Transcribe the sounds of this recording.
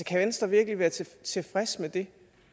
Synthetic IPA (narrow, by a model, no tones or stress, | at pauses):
kʰæʋensd̥ʁɐʋiɐɡ̥liʋæːɐt͡sʰet͡sʰe̝fʁɛsmed̥e̝